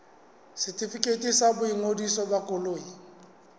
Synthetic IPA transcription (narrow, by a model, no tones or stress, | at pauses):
sɪtʰʼifikʼetʼisabʊiŋodisɔbakʼʊloːi